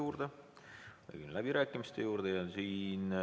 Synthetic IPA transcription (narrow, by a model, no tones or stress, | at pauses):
uːrd̪̥e | ḛjkyllæb̥iɾæːkːˑimist̪e̞juːrd̪̥ejɑsiːn